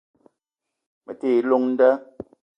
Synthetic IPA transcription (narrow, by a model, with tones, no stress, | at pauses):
mə˨teː˦˨˦lo˦ŋn̩˦də˦